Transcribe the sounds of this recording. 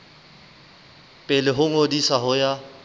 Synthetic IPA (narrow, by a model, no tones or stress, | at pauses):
pʼɪlɪɦʊŋodisaɦʊja